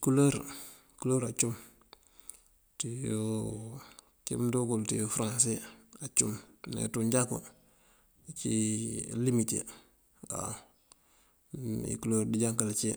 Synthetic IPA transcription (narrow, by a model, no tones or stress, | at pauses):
kuloɾ | kuloːɾat͡ʃum | tejo | kḭmdokultijofɾãnseat͡ʃumnḛtuɲɟako̰ | t͡ʃilimitḛ | a̰ | ḭkuloːɾdiɟaŋkalt͡ʃi